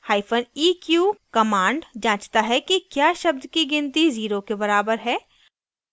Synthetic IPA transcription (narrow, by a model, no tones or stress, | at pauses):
haːɪfʰəniːkjuːkɐmãːɳɖd͡ʒãːt͡ʃt̪aɦɛkikjaːʃɐb̚d̪kiɡɪnt̪iziːɾokebɐɾaːbəɾɦɛː